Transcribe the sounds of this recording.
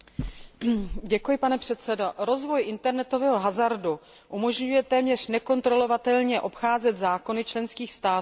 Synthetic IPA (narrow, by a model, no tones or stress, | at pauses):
ɟɛkujɪpanɛpr̝̥ɛt̪t͡sɛdoɾo̞zvo̞jʔɪnt̪ɛɾnɛt̪o̞vɛːɦo̞ɦazaɾdu | ʔumo̞ʒɲujɛt̪ɛːmɲɛr̝̥nɛko̞nt̪ɾo̞lo̞vat̪ɛlɲɛʔo̞pxaːzɛt̪zaːko̞nɪt͡ʃlɛnskiːxst̪aːt̪ː